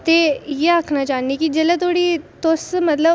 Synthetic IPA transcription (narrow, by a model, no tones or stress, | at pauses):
t̪ejeakʰnat͡ɕanːikiːd͡ʑɛlat̪oɽiːt̪osmət̪lə